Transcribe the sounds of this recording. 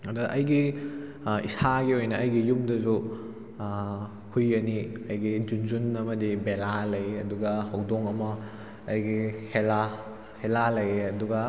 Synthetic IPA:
ɐdɐʔɐjɡi | ḭsaɡiojnɐɐjɡijumdɐzu | hujɐniɐjɡid͡ʒunzunɐmɐdibelalɐjɐduɡɐhɐwdoŋɐmɐː | jɡihela | helalɐjɐduɡɐ

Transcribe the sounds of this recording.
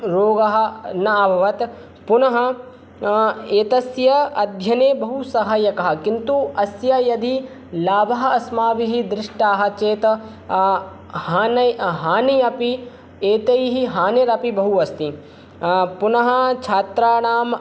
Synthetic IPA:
ɾoːɡɐɦɐ̆nɐːbʱɐʋɐt̪ | punɐɦɐ | eːt̪ɐsjɐɐd̪ʱjɐneːbɐɦusɐɦɐjɐkɐɦɐ̆kint̪uɐsjɐjɐd̪i | laːbɐɦɐɐsmaːʋiɦid̪ɾɪʂʈaːɦɐt͡ʃeːt̪ | haːnɐɦaːnijɐpi | eːt̪ɐjɦiɦaːneːɾɐpibɐɦuɐst̪i | punɐɦɐ̆t͡ʃʰaːt̪ɾaːnaːm

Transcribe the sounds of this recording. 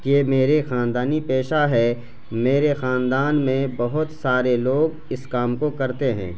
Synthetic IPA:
eːmeːɾexaːnd̪aːnipeːʃaɦɛ | meːɾexaːnd̪aːnmẽbɐɦʊt̪saːɾeloːɡ | ɪskaːmkokɐɾt̪eɦɛ̰̃ː

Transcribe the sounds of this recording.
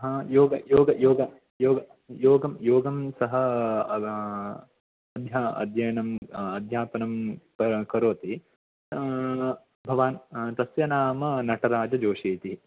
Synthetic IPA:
ɦɐjoːɡɐjoːɡɐjoːɡɐ | joːɡɐ | joːɡɐmjoːɡɐmsɐɦɐ̆ | ɐd̪ʱjaːɐ̰d̪ʱjɐjnɐmɐd̪ʱjaːpɐnɐmkɐkɐɾoːt̪i | bʱɐʋaːnt̪ɐsʋjɐnaːmɐnɐʈɐɾaːd͡ʒɐd͡ʒoːʂiːt̪iɦi

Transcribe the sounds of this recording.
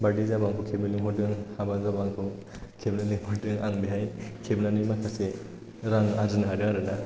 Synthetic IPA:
badizabaŋkʰukʰebmilɯŋɦʰɔdɯŋhabazabaŋkʰɯ | kʰebnanɯjmɔdɯŋaŋbeɦajnkʰebnanɯjmakʰase | ɾaŋaɾɯnaɦadɯŋaɾɯna

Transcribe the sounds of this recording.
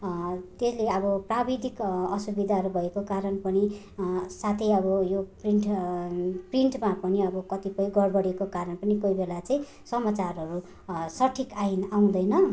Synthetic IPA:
t̪esleʌbʌprabid̪ʱikʌsubid̪ʱaɦʌɾubʱʌekokaɾʌnpʌni | sat̪ʰejʌβʌjopriɳʈ | priɳʈmapʌniʌbʌkʌt̪ipʌjɡʌrbʌɽekokaɾʌnpʌnikojbelat͡sʌĩ | sʌmat͡sarɦʌɾu | sʌʈʰikainaw̃d̪ʌjnʌ

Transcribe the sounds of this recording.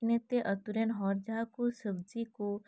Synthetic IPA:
net̪eʔət̪uɾenɦɔːɾd͡ʒakusəbd͡ʒiko

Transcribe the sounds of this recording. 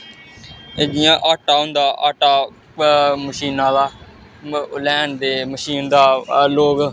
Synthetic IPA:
ed̪ɪjãːʔaːʈaːɦʊ̃nd̪aːʔa̰ːʈaː | məʃiːnãːd̪aː | lɛːɳd̪eːməʃiːnd̪aːloːɡ

